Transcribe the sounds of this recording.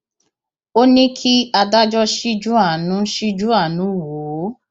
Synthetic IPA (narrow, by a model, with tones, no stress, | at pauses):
o˦nĩ˦kʰi˦a˧da˦d͡ʒɔ˦ʃi˦d͡ʒu˦a˦˨nũ˨˦ʃi˦d͡ʒu˦a˦˨nũ˨˦˨wo˨˦